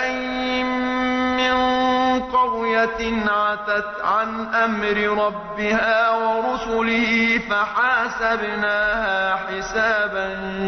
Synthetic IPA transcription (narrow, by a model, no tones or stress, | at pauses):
ʔaj | mɪnqɑwjanʕat̪at̪ʕanʔamɾɪɾˤɑbːɪhaːwɑɾʊsʊlɪhiːfaħaːsabnaːhaːħɪsaːban